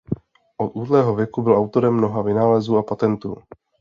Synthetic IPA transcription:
ʔot̪uːdlɛːɦo̞vjɛkubɪlʔawt̪o̞ɾɛmːno̞ɦavɪnaːlɛzuːapat̪ɛnt̪uː

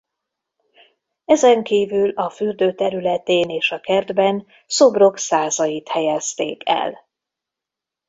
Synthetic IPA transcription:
ɛzɛŋkiːvylɒfyrd̪øːt̪ɛɾylɛt̪eːneːʃɒkɛrd̪bɛn | so̞bro̞ksaːzɒjit̪hɛjɛst̪ḛːkɛ̰l

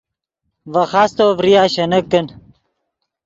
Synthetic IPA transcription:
vɐxaːst̪oːvɾijaːɕɐnɐkːɐn

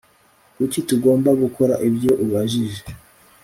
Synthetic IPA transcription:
kucituɡo̞ːmbaɡuko̞ɾaʔibjo̞ʔuβaʒiʒe

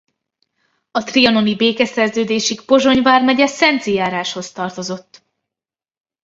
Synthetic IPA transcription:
ɒt̪riɒno̞nibeːkɛsɛrzøːd̪eːʃikpo̞ʒo̞ɲvaːrmɛɟɛsɛnt̪sijaːɾaːʃho̞st̪ɒrt̪o̞zo̞t̪ː

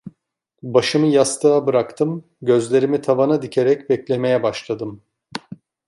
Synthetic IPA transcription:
baʃɯmɯjast̪ʰɯabɯɾakt̪ʰɯm | ɟø̞zlʲe̞ɾimit̪ʰavanad̪icʰe̞ɾɛcbɛclʲe̞me̞jɛbaʃlˠad̪ɯm

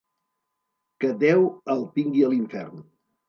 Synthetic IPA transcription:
kəd̪ɛwəlˠpiŋɡiəliɱfɛ̰rn

